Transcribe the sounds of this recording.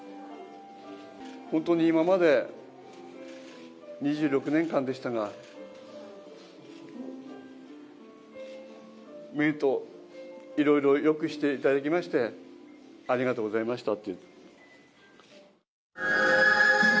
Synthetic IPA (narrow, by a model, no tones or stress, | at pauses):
hõ̞nt̪o̞ɲ̟iːmamad̪e̞ | ɲ̟iʑɨːɾo̞kɯ̟nẽ̞ŋkãnd̪e̞ɕi̥t̪aɡa | meɾɯ̟t̪o̞ | iɾo̞iɾo̞jo̞kɯ̟ɕi̥t̪e̞it̪ad̪ak̬ʲimaɕi̥t̪e̞ | aɾʲiɡat̪oːɡo̞zaimaɕi̥t̪at̪ːe